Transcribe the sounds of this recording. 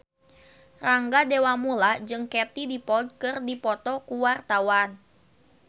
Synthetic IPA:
raŋɡadewamulad͡ʒɨŋkɛt̪idipɔld̚kɨrdipɔt̪ɔkuwart̪awan

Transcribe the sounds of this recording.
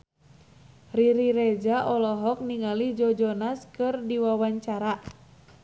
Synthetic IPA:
riɾiɾed͡ʒaʔɔlɔɦɔk̚niŋalid͡ʒɔd͡ʒɔnaskɨrdiwawaɲt͡ʃaɾa

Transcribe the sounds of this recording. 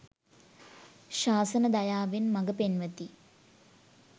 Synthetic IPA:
ʃaːsənəd̪ajaːʋenmaɡəpenʋət̪i

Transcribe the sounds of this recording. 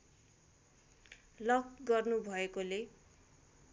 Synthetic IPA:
lʌkɡʌrnubʱʌekole

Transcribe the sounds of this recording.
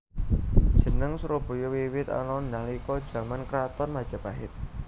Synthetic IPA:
d̥ʒ̥ə̤nəŋsuɾob̥o̤jɔwiwɪt̪a̰nɔndaŋlikɔd̥ʒ̥ä̤mankɾat̪ɔrmad̥ʒ̥a̤paɦɪ̰t̪̚

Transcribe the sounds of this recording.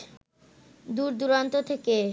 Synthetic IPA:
d̪uɾd̪uɾant̪ot̪ʰeke

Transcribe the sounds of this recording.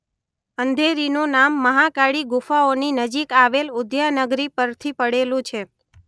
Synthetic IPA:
ənd̪ʱeɾinũnamːəɦakaɽiɡufaoninəd͡ʒikaʋelʊd̪janəɡɾipəɾt̪ʰipəɽelũt͡ʃʰe

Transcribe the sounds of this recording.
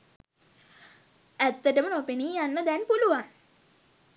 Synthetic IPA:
æt̪ːəʈəmənopeniːjanːəd̪ɛnpuluʋan

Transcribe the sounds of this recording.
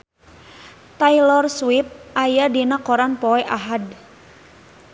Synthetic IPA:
t̪ailɔrswip̚ʔajadinakɔɾanpɔɛʔaɦad

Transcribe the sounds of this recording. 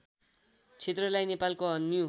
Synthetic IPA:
t͡sʰet̪rʌlajnepalkoɦʌnːio

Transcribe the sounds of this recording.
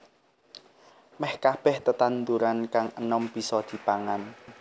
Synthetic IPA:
mɛhkab̥ɛht̪ət̪ant̪uɾankaŋənɔmb̥i̤sɔd̪̥i̤paŋan

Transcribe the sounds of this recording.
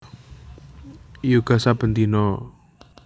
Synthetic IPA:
juɡ̥a̤sab̥ənt̪inɔ

